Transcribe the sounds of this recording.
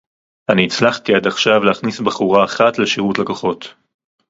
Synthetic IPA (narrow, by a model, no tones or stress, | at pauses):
aniːt͡slaχtiadaχʃavleaχnisbaχuʁaːχatleʃiʁutlekoχo̞t